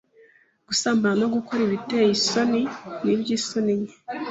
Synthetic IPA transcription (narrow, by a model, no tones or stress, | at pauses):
ɡ̥usaːmbuɾano̞ɡukoɾiβitejiso̞ninibjiːsoniɲe